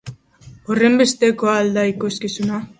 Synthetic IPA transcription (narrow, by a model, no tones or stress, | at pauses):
ore̞mbe̞st̪e̞ko̞ald̪aikoskisuna